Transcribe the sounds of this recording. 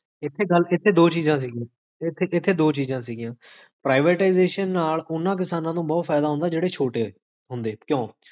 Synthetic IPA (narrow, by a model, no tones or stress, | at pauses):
ɪt̪ʰːeːɡəlɪt̪ʰːeːd̪oːt͡ʃiːzãːs̬iːɡã | ɪt̪ʰːeːʔɪt̪ʰːeːd̪oːt͡ʃiːzãːsiːɡijãː | pɾaːɪʋeːʈaɪzeːʃənːaːlʊnːãːk̬ɪsaːnãːt̪õːbɔːt̪fʰɛːd̪aːɦʊ̃nd̪aːd͡ʒeːɽeːt͡ʃʰoːʈeː | ɦʊnd̪eːkjõː